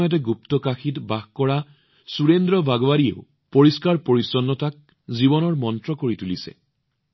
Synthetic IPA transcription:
jɔt̬ɛɡuptɔkaxʰitbaxkɔɹa | suɹendɹɔbʱaɡɔwaɹiḛʊ | poɹiskaɹpoɹisɔnːɔtak̚ | zibɔnɔɹmɔntɹɔkoɹitulisɛ̰

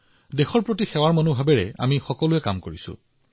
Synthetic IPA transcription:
dexɔɹpɹotixɛwaɹmɔnubʱabɛɹɛa̰mixɔkɔlʊɛkamkoɹisʊ̰

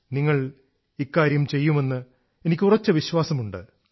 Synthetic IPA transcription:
niŋːɐɭ | ikːaːɾjɐmt͡ɕe̞jːume̞nːɨ | e̞nikʲːurɐt͡ɕːɐʋiɕwaːsɐmuɳɖɨ̰

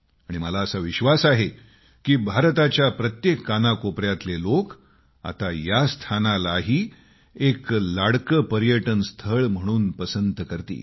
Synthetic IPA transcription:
aɽ̃iməlaəsaʋiɕʋasaɦe | kiːbʱaɾt̪at͡ɕjapɾət̪jekːanakopɾjat̪lelok | a̰t̪ajast̪ʰanalaɦiː | eklaɽkəpəɾjəʈənst̪ʰəɭm̤əɽ̃uːnpəsənt̪kəɾt̪ḭː

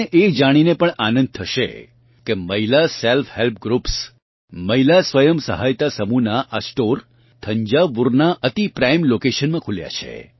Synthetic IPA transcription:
eʔed͡ʒaɽ̃inepəɳanə̃nd̪̚t̪ʰəʃḛ | keməɦilaselfhelp̚ɡɾups | məɦilasʋəjəmsə̰ɦajt̪asəmunaʔasʈoɾ | t̪ʰəɲd͡ʒaʋuɾnaʔət̪ipɾajmlokeʃənmãkʰulja̰t͡ʃʰḛ

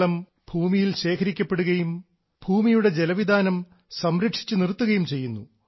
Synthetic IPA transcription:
lɐm | b̥ʱuːmijilɕe̞ːkʰɐɾikʲːɐpːe̞ɽuɣɐjum | bʱuːmijuɽe̞d͡ʑe̞lɐʋid̪ʱaːnɐm | sɐmɾɐkʂi̥t͡ɕːɨnirt̪ːuɣɐjumt͡ɕe̞jːunːṵ

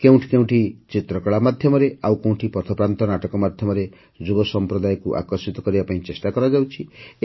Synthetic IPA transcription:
kew̃ʈʰikew̃ʈʰit͡sit̪ɾʌkaɭamad̪ʱjʌmʌɾeawkew̃ʈʰipʌɾt̪ʰɔpɾant̪ɔnaʈʌkɔmad̪ʱjʌmʌɾe | d͡zubʌsʌmpɾɔd̪ajkuʔa̰kʌrsit̪ɔkʌɾibapaĩt͡sesʈakʌɾaɡjawt͡sʰi

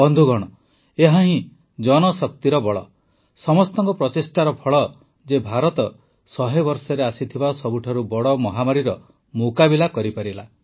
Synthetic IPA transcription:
bɔnd̪ʱuɡɔɽ̃ɔ | eɦaɦĩ | d͡ʒɔñɔsɔk̚t̪iɾɔbɔɭɔ | sɔmɔst̪ɔŋkɔpɾɔtesʈaɾɔpʰɔɭɔ | d͡ʒebʱaɾɔt̪ɔ | sɔɦebɔɾsɔɾeasit̪ʰibasɔbuʈʰaɾubɔɽɔmɔɦamaɾiɾɔ | mukabilakɔɾipaɾila̰

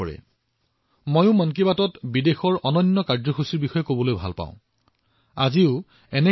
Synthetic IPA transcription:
ɔɹɛ̰ | mojʊ̃mɔnkibatɔtbidexɔɹɔnɔnːɔkaɹzɔxusiɹbixɔjɛkobɔlojbʱa̰lpa̰ʊ̃ | a̰ziʊ | ɛnɛ

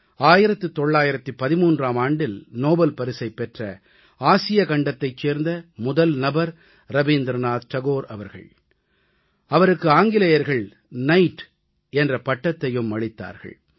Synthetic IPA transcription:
aːjɪɾɐt̪ːɯt̪ːɔɭːaːjɪɾɐt̪ːɯpɐðɪmuːndraːmaːɳɖɪlnoːbɐlpɐɾɪsɐɪpːɛʈrɐ̰ | aːsɪjɐkɐɳɖɐt̪ːɐɪt͡ʃːeːɾnd̪ɐmʊðɐlnɐbɐɾ | ɾɐʋiːnd̪ɾnaːt̪t̪ɐɣoːɾɐʋɐɾɣɐ̰ɭ | ɐʋɐɾɯkːɯaːŋɡɪlɐjɐɾɣɐɭ | nɐɪʈ | ɛndrɐpɐʈːɐt̪ːɐjɯmːɐɻɪt̪ːa̰ːɾɣɐ̰ɭ

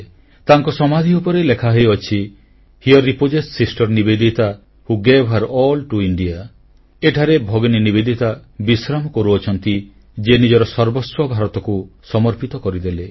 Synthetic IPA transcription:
t̪aŋkɔsɔmad̪ʱiupɔɾelekʰaɦejɔt͡ʃʰi | hiɔɾːipod͡ʒessisʈɔɾnibed̪ʱit̪a | huɡebʱaɾɔlʈuiɳɖia | eʈʰaɾebʱɔɡninibed̪ʱit̪abisɾamɔkɔɾuɔt͡ʃʰɔnt̪i | d͡ʒenid͡ʒɔɾɔsɔɾbɔswɔbʱaɾɔt̪ɔkusɔmɔɾpit̪ɔkɔɾid̪ele

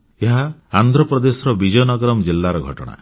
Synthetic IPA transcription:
eɦaand̪ʱɾɔpɾɔd̪esɔɾɔbid͡ʒɔjɔnɔɡɔɾɔmɔd͡ʒilːaɾɔɡʱɔʈɔ̰ɽ̃a̰

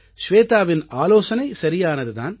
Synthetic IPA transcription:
ʃʋeːt̪aːʋɪnaːloːsɐnɐɪsɐɾɪjaːnɐðɯða̰ːn

